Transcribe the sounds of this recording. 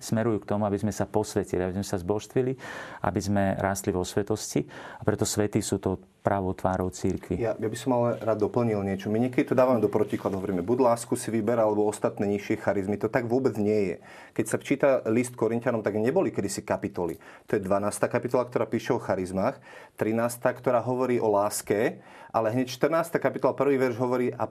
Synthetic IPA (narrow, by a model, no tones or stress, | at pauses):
smɛɾujuːk̚t̪ɔmuabizmɛsapɔsʋɛciliabizmɛsazbɔʃt̪ʋiliʔa̰bizmɛɾaːst̪liʋɔsʋɛt̪ɔsciapɾɛt̪ɔsʋɛt̪iːsuːt̪ɔ | pɾaʋɔt̪ʋaːɾɔʊt͡siɾkʋijajabisɔmalɛɾaːd̪ːɔpl̩ɲilɲɪɛt͡ʃɔmiɲɛkɛd̪it̪ɔd̪aːʋamɛd̪ɔpɾɔciklad̪ɦɔʋɔɾiːmɛbuɟlaːskusiʋibɛɾalɛbɔɔst̪at̪nɛːɲiʃɪɛxaɾizmit̪ɔt̪aɡʋʊɔbɛd͡zɲɪɛjɛ̰ | kɛcsaft͡ʃiːt̪alist̪̚kɔɾincanɔmt̪aɡɲɛbɔlikɛd̪isikapit̪ɔlḭt̪ɔjɛd̪ʋanaːst̪aːkapit̪ɔlakt̪ɔɾaːpiːʃɛɔxaɾizmaːx | t̪ɾinaːst̪aːkt̪ɔɾaːɦɔʋɔɾiːʔɔlaːskɛ | ʔa̰lɛɦɲɛcʃt̪ər̩naːst̪aːkapit̪ɔlapr̩ʋiːʋɛɾʒɦɔʋɔɾiːʔa